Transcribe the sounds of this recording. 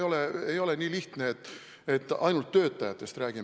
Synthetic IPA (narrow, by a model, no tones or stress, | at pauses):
jo̞leejo̞lenʲiːliht̪neet̪ːˑ | e̞t̪ːˑɑjnult̪ːø̞ːt̪ːˑɑjɑt̪ːˑe̞st̪ræːɡ̥im